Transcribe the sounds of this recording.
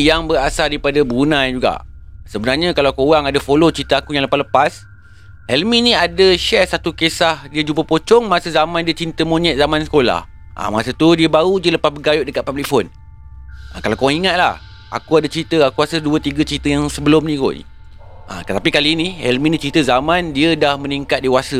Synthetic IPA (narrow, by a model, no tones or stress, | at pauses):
jaŋbəɾasadaipadabunãjd͡ʒuɡa̰ʔ | səbənarɲə̃kalawkuowaŋadafolot͡ʃit̪əakujãŋləpahləpas | hɛlmĩnĩadəʃɛsat̪ukesahdiəd͡ʒumpəpot͡ʃɔŋmasəzamãndiət͡ʃint̪əmõnɛʔ̪̚zamãnsə̥kola̰h | ʔa̰masət̪udiəbaudiələpasbəɡajʊʔdəkat̪̚pablik̚fon | akalawkowaŋiŋat̪̚la̰h | a̰kuadat͡ʃɾit̪əakuasəduət̪iɡət͡ʃit̪əjaŋsəbəlʊmnĩko̰ʔ | ʔa̰t̪ət̪apikaliːnĩhɛlmĩnĩt͡ʃɾit̪əzamãndiədahmə̃niŋkat̪̚dewasə